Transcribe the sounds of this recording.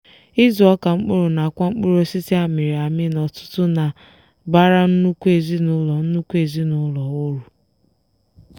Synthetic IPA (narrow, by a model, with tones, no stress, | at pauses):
ɪ˦zu˨ɔ˦ka˨ŋ͡m̩˦k͡pʊ˦ɾʊ˨na˨a˨kʷa˦ŋ͡m̩˦k͡pʊ˦ɾo˦si˦ti˦a˨mi˨ɾi˨a˨mɪ˦nɔ˨tʊ̥˦tʊ˦na˨ | ba˦ɾa˦n̩˦nu˦kʷu˦e˨zi˦nʊ˦lɔ˨n̩˦nu˦kʷu˦e˨zi˦nʊ˦lɔ˨ʊ˦ɾu˨